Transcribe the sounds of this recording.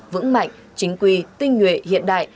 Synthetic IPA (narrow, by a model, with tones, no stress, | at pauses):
vɨ̰˧˥ŋma̰˧˨jŋ̟ | t͡ɕï˨˦ŋ̟kwi˧˩t̪ï˧ŋ̟ŋwḭ˧˨hḭ˧˨ənɗa̰ː˧˨j